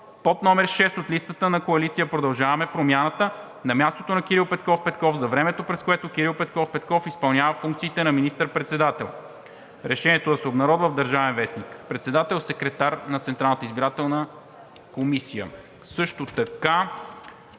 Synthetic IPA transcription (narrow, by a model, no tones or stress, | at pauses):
pot̪nɔmɛɾʃɛst̪ot̪list̪ət̪ənɐkoɐlit̪sijəpɾod̪ɐlˠʒavɐmɛpɾomjanət̪ə | nɐmʲjast̪ot̪onɐk̟iɾilˠpɛt̪̚kɔfpɛt̪kɔfzɐvɾɛmɛt̪opɾɛskoɛt̪ok̟iɾilˠpɛt̪kɔfpɛt̪̚kɔfispɐlˠnʲavəfuŋkt̪siːt̪ɛnɐminist̪əɾpɾɛt̪sɛd̪at̪ɛlˠ | ɾɛʃɛniɛt̪od̪ɐsɛobnɐɾɔd̪vəvd̪əɾʒavɛnvɛsnikpɾɛt̪sɛd̪at̪ɛlˠsɛkɾɛt̪aɾnɐt̪sɛnt̪ɾalˠnət̪izbiɾat̪ɛlˠnə | komisijə̰ | sɤʃt̪ot̪ɐka